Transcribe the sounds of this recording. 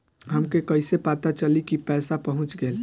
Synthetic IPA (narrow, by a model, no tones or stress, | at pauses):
ɦəmkekəɪsepaːt̪at͡ʃəlikipɛːsapəɦʊ̃t͡ʃɡəːl